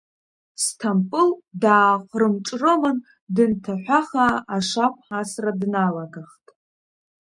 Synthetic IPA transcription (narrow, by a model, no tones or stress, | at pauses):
stʰampʼɨldaːqʷʼrɨmʈ͡ʂʼrɨmɨn | dɨntʰaħʷaχaːʂapʰʼħasradnalaɡaχtʼ